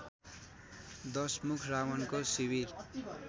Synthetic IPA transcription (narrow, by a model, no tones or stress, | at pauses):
d̪ʌsmukʰrawʌnkosiβir